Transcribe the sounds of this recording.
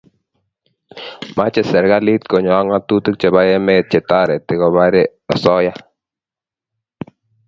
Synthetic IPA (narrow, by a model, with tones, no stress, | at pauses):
ma˦t͡ʃɛ˨sɛ˨ɾɡa˦li˦t̪̚kɔ˨ɲɔ˨a˦ŋa˦t̪u˦tɨ˦k̚t͡ʃɛ˨ba˦jɛ˦mɛ˦t̚t͡ʃɛ˨ta˦ɾɛ˨tɪ˨ɣɔ˨ba˦ɾɛ˦ | ɔ˨sɔ˦ja˦